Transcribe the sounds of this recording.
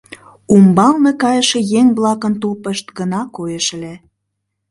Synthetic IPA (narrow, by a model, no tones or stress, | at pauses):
umbɑlnekɑjəʃĕjeŋβlɑkənt̪upəʃt̪ɡənɑkojəʃle